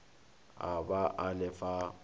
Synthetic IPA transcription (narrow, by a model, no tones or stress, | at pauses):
a̰baʔalɪfa